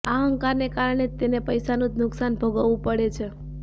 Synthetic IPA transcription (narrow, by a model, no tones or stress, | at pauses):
aɦəŋkaɾnekaɾɳ̃et̪enepəjsanũd͡ʒnʊksanbʱəɡəʋũpəɽet͡ʃʰe